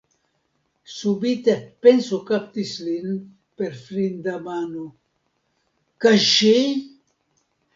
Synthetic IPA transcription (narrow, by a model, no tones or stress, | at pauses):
subit̪epensukapt̪islin | peɾfɾind̪amanu | kaʃi